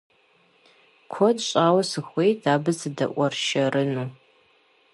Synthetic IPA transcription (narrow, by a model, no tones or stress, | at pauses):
kʷʰɔdɕʼaːwɐsɨxʷejdʰaːbɨzɨdɐ̰ʔʷʼɔrʃɐrʔɨnuː